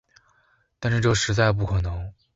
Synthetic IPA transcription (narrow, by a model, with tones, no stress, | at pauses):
t̪a˥˧nʂɻ̩˥˧ʈ͡ʂɤ˥˩ʂɻ̩˧˥t͡sa˥˧ɪp̬u˥˩kʰɤ˨˩nɤ˧˥ŋ